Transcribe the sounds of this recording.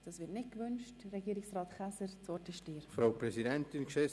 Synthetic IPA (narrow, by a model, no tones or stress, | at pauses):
d̥ɑsʋɪtnɪt̚kʋʏnt͡ʃtrɛɡiːɾɪksrɑːt̪χasəɾt͡sɔɾtɪʃtɪːɾfɾaʊpɾɛsidɛnt̪ɪnkʃɛ